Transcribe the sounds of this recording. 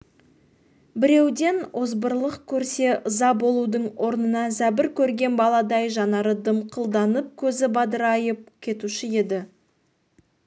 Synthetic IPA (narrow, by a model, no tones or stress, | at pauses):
bɪɾe̞wd̪e̞nozbəɾlˠəqkʲʰɵɾse̞ʔəzɑbo̞lˠud̪əɴwo̞ɾnənɑzæbɪɾkʲʰɵɾɡʲe̞nbɑlˠɑd̪ɑjʒɑnɑɾəd̪əmqʰəlˠd̪ɑnəp̚kʲʰɵzɪbɑd̪əɾɑjəp̚kʲʰe̞t̪uʃɪe̞d̪ɪ